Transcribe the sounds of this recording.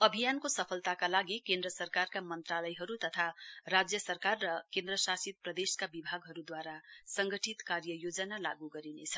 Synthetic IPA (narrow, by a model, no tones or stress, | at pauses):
ʌbʱijankosʌpʰʌlt̪akalaɡikend̪ɾʌsʌrkarkamʌnt̪ralʌjɦʌɾut̪ʌt̪ʰarad͡zjʌsʌrkarːʌkend̪ɾʌsasit̪̚prʌd̪eskabibʱaɡɦʌɾud̪waɾasʌŋɡʌʈʰit̪kaɾjʌjod͡zʌnala̰ɡuɡʌɾinet͡sʰʌ